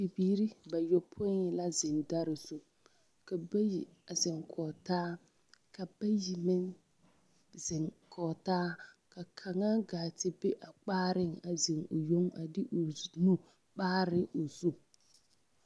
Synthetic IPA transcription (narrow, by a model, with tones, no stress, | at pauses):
pɪ˨biː˦ɾɪ˦ba˨jo˦pʰʊ˦ɲɪ˦la˦zɪ˨nda˦ɾɪ˨zu˦ | ka˨ba˦ji˨ | a˨zɪ˨ŋkʰɔː˨taː˦ | ka˨ba˦ji˨mɪ˦n | zɪ˨ŋkʰɔː˨taː˦ | ka˨kʰa˨ŋa˦ɡaː˨tɪ˦be˦ʔa˨k͡paː˦ɾɪ˦ŋa˨zɪ˨ŋʊ˨jo˦ŋa̰˨dɪ˦ʔʊ˨nu˦ | k͡paː˦ɾɪ˦ʔo˨zu˦